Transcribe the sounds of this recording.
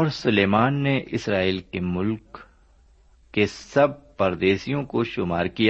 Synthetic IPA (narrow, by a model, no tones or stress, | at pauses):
ɔːɾsʊleːmaːnːeʔɪsɾaːiːlkemʊlk | esɐb̚pɐɾd̪eːsijõkoʃʊmaːɾkija